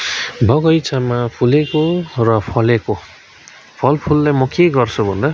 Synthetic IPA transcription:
bʱʌɡʌjt͡sʰamapʰulekorʌpʰʌleko | pʰʌlpʰulːajmʌkeɡʌrt͡sʰubʱʌnd̪a

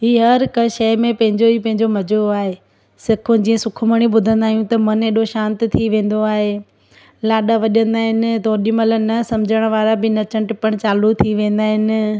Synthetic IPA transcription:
ɦiːɦɐɾkɐʃɐɪmẽpɐ̃ɦɪ̃ɲd͡ʑoɦiːpɐ̃ɦɪ̃ɲd͡ʑomɐd͡ʑoaːɦeː | sɪkʰʊ̃d͡ʑĩːə̃sʊkʰʊməɽ̃iɓʊd̪ʱə̃nd̪aːijũt̪ɐmɐneːɗoʃãːnt̪t̪ʰiʋẽːn̆d̪oaːɦe | laːɗaʋɐʄə̃nd̪aːɦɪnɪ̆t̪oːɗɪmələnɐsɐmd͡ʑʱəɽ̃ʋaːɾabɪnɐt͡ɕə̃ɳʈɪpɐɽ̃t͡ɕaːlut̪ʰiʋẽːn̆d̪aːɦɪnɪ̆

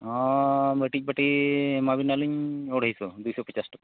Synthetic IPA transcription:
ɔ̃bəʈic̚baʈimabinaluɲɔɽɦijsɔd̪ujsɔpɔt͡ʃasʈɔka

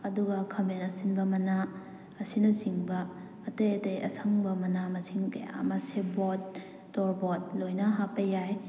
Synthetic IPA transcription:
ɐduɡɐkʰɐmenɐsinbɐmɐnaː | sinɐziŋbɐː | tejɐtejɐ̰sʰaŋbɐmɐnamɐsiŋkɐja̰mɐsebot̚ː | ɔɾbɔt̚lojnɐɦapɐjaj

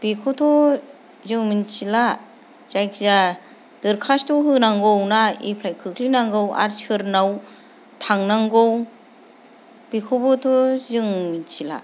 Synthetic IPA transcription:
b̥ikʰɔtʰɔ | zɯŋminsila | z̥ajkza | d̥ɯɾkʰastʰɔɦɯnaŋɡɔwnaipʰlajkʰɯkʰlinaŋɡɯwa̰ɾsʰɯɾnaw | tʰaŋnaŋɡɔw | bikʰɔbɔtʰɔzɯŋminsila̰

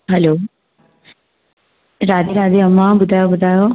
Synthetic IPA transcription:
ɦɐloː | ɾaːd̪iɾaːd̪iɐmːabud̪ʱaːjobud̪ʱaːjo

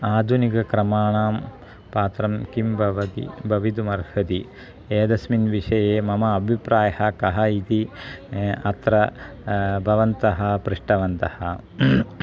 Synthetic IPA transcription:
aːd̪ʱunikɐkɾɐmaːɳaːm | paːt̪ɾɐmkimbʱɐʋɐd̪ḭbʱɐʋid̪umɐɾhɐd̪i | eːd̪ɐsminʋiʂɐjeːmɐmɐːbʱipɾaːjɐhɐkɐɦɐit̪i | ɐt̪ɾɐ | bʱɐʋɐnt̪ɐɦɐ̆pɾiʂʈɐʋɐnt̪ɐhɐ

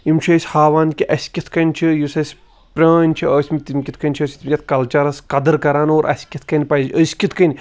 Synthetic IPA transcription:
jimt͡ʃʰɐːsʲhaːʋaːnkʲiʔɐsʲkʲit̪ʰkɐnʲt͡ʃʰijusɐsʲ | pʲɾʲɐːnʲt͡ʃʰiəːsʲmit̪imʲkʲit̪ʰkɐnʲt͡ʃʰəːsʲt̪ʰmʲkʲɐt̪̚ʰkɐlt͡ʃaɾɐskɐd̪ɨɾkɐɾaːnoːɾʔɐ̰sʲkʲit̪ʰkɐnʲpɐjd͡ʒəsʲkʲit̪ʰkɐnʲ

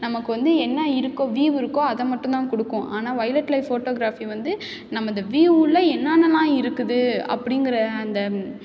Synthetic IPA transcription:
nɐmɐkːɯʋɐnd̪ɯɛnːɐɪɾɯkːõʋiːʋɪɾɯkːõɐðɐmɐʈːʊ̃nt̪ãːkɔɽɯkːʊ̃ʔaːnaːʋɐjlɐʈlɐɪffoːʈoːɡɪɾaːfiʋɐnd̪ɯ | nɐmːɐɪnd̪ɐʋiːʋuːlːɐɛnːaːnɐlãːɪɾɯkːɯðɯɐ̰pːɐɽɪŋɡɪɾɐːnd̪ɐ

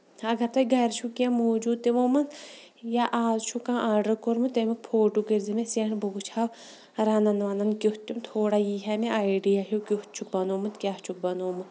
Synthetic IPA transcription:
ɐɡɐɾt̪ɐjɡʱɐɾt͡ʃʰukʲɐmoːd͡ʒuːd̪̚t̪imoːmɐnjaʔaːzt͡ʃʰukãːʔaːɖəkoɾmut̪emik̚pʰoːʈukiɾzimeseɳbuɡut͡ʃʰaw | ɾanɐnʋɐnɐnkʲuht̪t̪ːumt̪ʰoːɽajiɦʲɐmiʔaːiɖijaɦukʲuht̪̚t͡ʃʰuk̚bɐnoːmut̪kʲat͡ʃʰuk̚bɐnoːmu

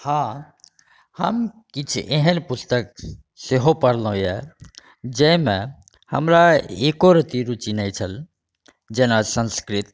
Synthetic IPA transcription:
hã | hə̰mkit͡ʃʰeɦənpust̪ək | seɦopəɽlõjɛ | d͡ʒəmẽ | hə̰mɾaeːkoɾət̪iɾut͡ʃinɛjt͡ʃʰəl | d͡ʒenasə̃nskɾit̪

